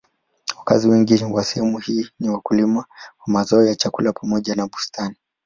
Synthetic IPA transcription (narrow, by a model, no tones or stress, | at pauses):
waka̰ziwɛŋɡiwasɛhɛmuhiːniwakulimawamazɔːjat͡ʃakulapʰamɔʄanaɓustʰani